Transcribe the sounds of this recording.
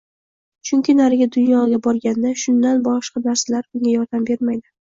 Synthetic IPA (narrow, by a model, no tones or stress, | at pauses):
t͡ʃʰʊŋʲkʲʰɪnaɾɪɡʲad̪ʊnjɒɡʲabɒɾɡʲand̪aʃʊnːanbɒʃqɑnaɾsalaɾbʊŋɡʲajɒɾd̪ambe̞ɾmajd̪ɪ